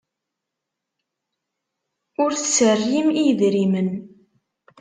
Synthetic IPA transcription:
ʊɾθsːərjimijðɾimən

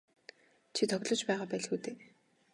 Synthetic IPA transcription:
t͡ɕʰit̪ʰɔɣʲɮɞ̆t͡ɕpæːʁaːpæːɮxuːt̪eː

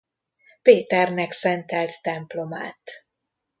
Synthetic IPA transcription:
peːt̪ɛrnɛksɛnt̪ɛlt̪ːɛmplo̞ma̰ːt̪

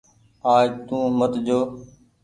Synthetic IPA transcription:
aːd͡ʒt̪ũːmət̪d͡ʒoː

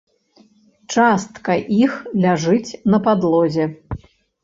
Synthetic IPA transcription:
t͡ʂast̪kɐʔixlʲaʐɨt͡sʲnɐpad̪lˠɔzʲɛ

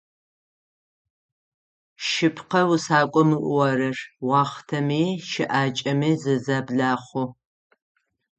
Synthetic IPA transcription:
ʃɪpʰqɐwʊsaːkʷʼɔmɨʔʷwɐɾɐrwɑːχtʰɐmiːʃɪʔaːt͡ʃʼɐmiːzɨzabɮaːχʷʊ

